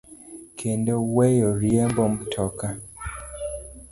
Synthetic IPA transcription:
kʰendɔwɛjɔɾiɛmbɔmtʰɔka

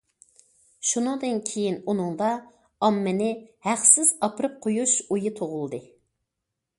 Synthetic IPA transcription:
ʃunɨŋd̪ɨnkʲʰejinunɨŋd̪ɑ | ɑmːɪnɪhæχsɪz̥ɑpɾɨp̚qʰojuʃujit̪ʰoʁʊlˠd̪ɨ

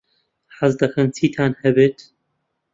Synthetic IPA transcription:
ħazd̪ɐxɐnt͡sʰiːt̪ʰaːnhɛbeːt̪

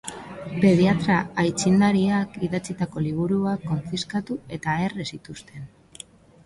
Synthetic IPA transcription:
pe̞ð̞iat̪ɾaːjt͡sind̪aɾiakiðat͡sit̪ako̞liβ̞uɾuakːo̞ɱfiskat̪ue̞t̪ae̞resit̪ust̪e̞n

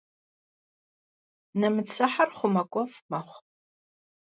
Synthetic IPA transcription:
nɐmɨt͡sʰɨħarχʷʊmɐkʷʼɔfmɐχʷ

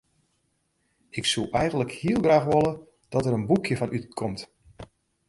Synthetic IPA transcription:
ɪksuʔɛjɣəndləkhiəlˠɡraːxʋolə | d̥ɔtəɾənbukʰjəfɔnʔytkʰɔmt

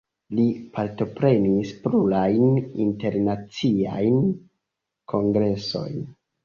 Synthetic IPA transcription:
lipʰaɾto̞pɾe̞nispɾulajnḭnte̞ɾnat͡sia̰jn | kʰo̞ŋɡɾe̞so̞̰jn

